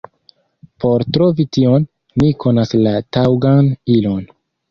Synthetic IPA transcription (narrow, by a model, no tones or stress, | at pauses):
po̞ɾtɾo̞vitio̞nː | ikʰo̞naslatawɡanilo̞n